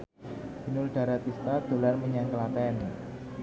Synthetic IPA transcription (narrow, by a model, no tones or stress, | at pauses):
b̥inʊlɖ̥a̤ɾat̪ist̪ad̪̥o̤larməɲaŋkəlat̪ɛani